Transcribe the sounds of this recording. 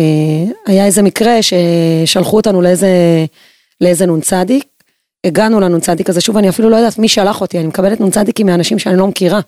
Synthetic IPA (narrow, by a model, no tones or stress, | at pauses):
eajaeze̞mikʁe̞ʃe̞ʃalχuotanuleeze | leeze̞nunt͡sad̪ik̚ | eɡanulanunt͡sad̪ikazeʃuvaniafilulojd̪aːt̪miʃalaχo̞t̪ianimekabe̞le̞t̪nunt͡sad̪ikimianaʃimʃeanilo̞mekiʁa